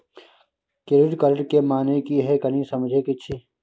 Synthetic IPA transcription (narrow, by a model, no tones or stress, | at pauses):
kɪɾɪɖkɐɾʈkemaːnekiɦɛkɐnĩsɐmd͡ʒʱekɪt͡ʃʰi